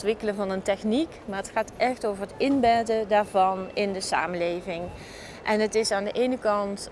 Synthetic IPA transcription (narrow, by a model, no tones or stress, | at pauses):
tʋɪkələnvɑnəntɛxnikmaːɹətxaːtʔɛxtowvəɹɦətɪnbɛtədaːɹvɑnɪndəsa̰ːməlejvɪŋ | ʔɛnɦətɪsaːndəʔejnəkɑnt